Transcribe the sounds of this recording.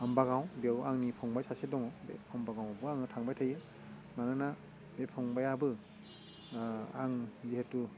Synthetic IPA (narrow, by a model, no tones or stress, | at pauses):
ambaɡawbewaŋnipʰɔŋbajsasedɔŋɔbepʰɔmbaɡaw̃abɯaŋɯtʰaŋbajtʰajɯ | manɯna | bepʰɔŋbajabɯ | aŋzehetu